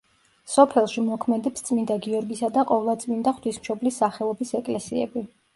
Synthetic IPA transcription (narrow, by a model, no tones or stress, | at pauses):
sɔpʰɛlˠʃimɔkʰmɛd̪ɛpst̪sʼmind̪aɡiɔɾɡisad̪aqʼɔvlˠat̪sʼmind̪aχt̪wismʃɔblisːaχɛlˠɔbisɛkʼlɛsiɛ̰bi